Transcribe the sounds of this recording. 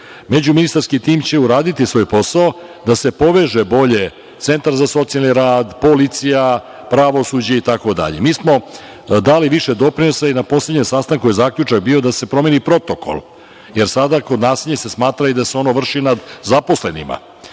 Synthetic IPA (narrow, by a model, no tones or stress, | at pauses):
me̞d͡ʑuminist̪aɾskit̪iːmt͡ɕe̞uɾaːd̪it̪isʋo̞ːjpo̞saod̪ase̞po̞ʋeʒebo̞ʎe̞ | t̪se̞nt̪aɾzaso̞t̪sialniɾaːd̪po̞lit̪sija | pɾaʋo̞sud͡ʑait̪ako̞d̪a̰ʎemiːsmo̞ | d̪aliʋiʃe̞d̪o̞pɾino̞sainapo̞sle̞d̪ɲemsaːst̪aŋkujezaːkʎut͡ʂak̚bio̞d̪ase̞pɾo̞me̞nipɾo̞t̪o̞ko̰l | je̞ɾsad̪akod̪naːsiʎʲɲesesmaːt̪ɾaid̪aseo̞no̞ʋr̩ʂinad̪zapo̞sle̞nḭma̰